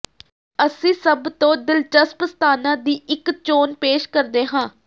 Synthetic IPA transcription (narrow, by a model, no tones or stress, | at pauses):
əsĩːsəbt̪õːd̪ɪlt͡ʃəspəst̪ʰaːnãːd̪iːɪkt͡ʃoːnpeːʃkəɾd̪eːɦãː